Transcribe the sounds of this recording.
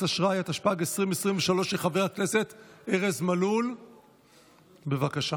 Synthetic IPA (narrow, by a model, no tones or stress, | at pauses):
aʃʁajat̪aʃpaɡesʁimesʁimveʃalo̞ʃeχave̞ʁakne̞se̞t̪eʁezmalul | be̞vakaʃa